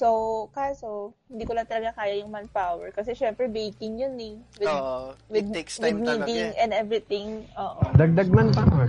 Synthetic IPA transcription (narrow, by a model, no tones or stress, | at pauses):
sowkaːsohɪnd̪iːkolɐŋt̪ɐlɐɡakaːjɐjʊŋmɐnpawɛɹkɐsɛʃɛmpɾɛbejt̪ɪŋjʊnɛwɪd̪wɪd̪̚wɪd̪̚miːd̪ɪŋʔɛ̃nd̪ɛvɾɪt̪ɪ̃ŋʔoːʔod̪ɐɡ̚d̪aɡ̚manpawɛ